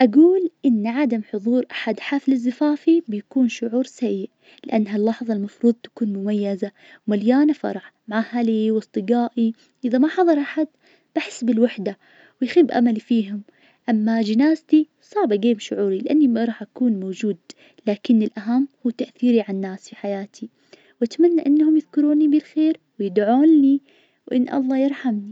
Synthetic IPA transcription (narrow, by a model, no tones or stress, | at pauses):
ʔaɡuːlʔɪnːʕad̪amħʊðˤuːɾˤʔḁħad̪ħaflɪzːɪfaːfibɪjakuːnʃʊʕuːɾsajːɪʔ | lɪʔanːɦalːɑħðˤɑlmɑfɾuːðˤt̪ḁkuːnmʊmajːaza | wmaljaːnafɑ̰ɾˤɑʕmaʕahaliwɨsˤt̪ˤɨɡaːʔi | ʔɪðamaħɑðˤɑɾˤʔaħad̪̚ | b̥aħɪsːbɪlwaħd̪a | wɪjxiːbʔa̰malifiːɦʊm | ʔamːad͡ʒɪnaːzt̪i | sˤɑːbaɡeːmʃʊʕuːɾilɪʔanːimɾˤɑːħʔakuːnmoːd͡ʒuːd̪ | laːkɪnːɪlʔaɦamːhuːt̪aʔθiːɾiʕanːaːsfiħajaːt̪ʰi | wʔat̪manːaʔɪnːhʊmjɪðkʊɾuːnibɪlxeːɾwɪjɪd̪ʕoːnːi | wʔɪ̰nːʔɑ̰lˤːɑːjɪɾˤħamni